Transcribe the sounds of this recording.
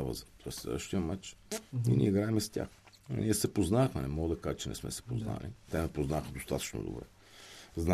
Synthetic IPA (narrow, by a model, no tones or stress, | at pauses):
avə̰zət̪ɔɛslɛ̰d̪əʃt̪iəmat͡ʃninḭiɡɾaɛmɛstʲa̰x | nʲiɛsɛpoznaxmɛnɛmɔɡəd̪ɐkaʒɛt͡ʃɛnɛ̰smɛ̰sɛ̥pozna̰lit̪ɛnɛpoznaxəd̪ost̪at̪ə̥t͡ʃno̰d̪o̰bɾɛ̰ | zna